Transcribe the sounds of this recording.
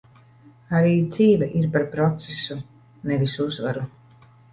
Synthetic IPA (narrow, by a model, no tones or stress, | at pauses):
aɾiːd̪z̥iːvʲɛʔiɾpaɾpɾɔt̪sesu | nevisuuzvaɾu